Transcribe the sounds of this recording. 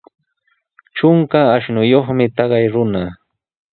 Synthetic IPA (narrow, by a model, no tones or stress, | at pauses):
ʈ͡ʂʊŋkaːʃnʊjoχmɪt̪ɑɢɑjɾʊna